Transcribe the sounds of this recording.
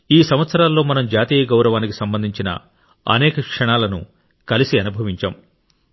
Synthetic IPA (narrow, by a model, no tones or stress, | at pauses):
iːsɐmʋɐt̪sɐɾaːlːo̞ːmɐnɐmd͡ʒaːt̪iːjɐɡɐwɾɐʋaːniki̥sɐmbɐnd̪ʱiɲt͡ʃinɐ̰ | ɐ̰nɛːkɐkʂɐɳaːlɐnṵ | kɐlisiɐnubʱɐʋiɲt͡ʃaːm